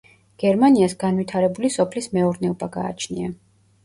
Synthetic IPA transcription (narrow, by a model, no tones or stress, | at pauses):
ɡ̥ɛɾmaniasɡanvwit̪ʰaɾɛbulisɔpʰlismɛuɾnɛɔbaɡa̰ːt͡ʃʰnia